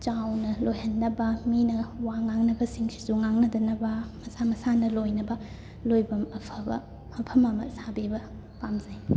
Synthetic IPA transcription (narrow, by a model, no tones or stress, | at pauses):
t͡ʃawnɐlojhɐnːɐbɐminɐwaŋaŋnɐbɐsiŋsi̥zuŋaŋnɐdɐnɐbɐmɐsamɐsanɐlojnɐbɐ | lojbɐmɐpʰɐbɐ̰ | ɐpʰɐmɐmɐ̰sabibɐ | pamzaj